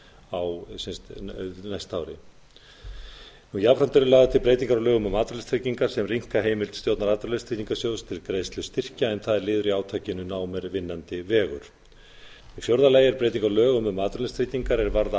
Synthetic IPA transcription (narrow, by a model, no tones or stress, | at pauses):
awsɛnst̪najst̪aːwɾɪ̰ | nujapɾant̪ʏɾɪlaːɣðat̪ʰɪlpɾejt̪̬iŋkaɾawlœːɣʏmɛðmaːt̪ɾʏlɪnst̪ɾic̪iŋkaɾ̥sɛmriŋ̥kaɦeːjmɪlt̪st̪jowt̪naɾat̪ɾʏlest̪ɾiːt̪iŋkasjowst̪ʰɪlkɾeːjst̪lʏst̪ɪr̥caɛnθaðɛɾlɪːðʏɾiaːwt̪ʰaːcɪnʏnaːwmɛɾvɪnːant̪ɪvɛːɣʏ̰ɾ̥ | ɛfjowɾðalaːjɛɾpɾejt̪̬iŋkalœːɣʏmɛðmaːt̪ɾʏlɛst̪ɾiːt̪iŋkaɾɛɾvaɾða